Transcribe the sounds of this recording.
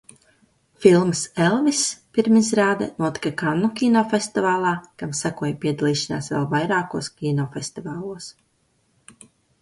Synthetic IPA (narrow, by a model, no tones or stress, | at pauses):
filˠmselˠvispiɾmisɾaːd̪a̰nuɔt̪i̥kakanːukʲinɔːfest̪ivaːlˠaːkamsakuɔjpiɛd̪alˠiːʃana̰ːsvɛ̰lˠvajɾaːkuɔskʲinɔfest̪ivaːlˠuɔs